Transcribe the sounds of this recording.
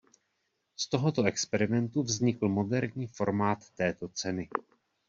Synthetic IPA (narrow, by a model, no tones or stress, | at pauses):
st̪o̞ɦo̞t̪o̞ʔɛkspɛɾɪmɛnt̪uvzɲɪkl̩mo̞dɛɾɲiːfo̞ɾmaːt̪ːɛːt̪o̞t͡sɛnɪ